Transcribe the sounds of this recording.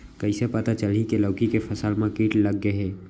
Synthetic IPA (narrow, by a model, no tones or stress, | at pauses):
kəɪsepət̪at͡ʃəlikeləːkikefʰəsəlmãkiːʈləɡːeɦɛː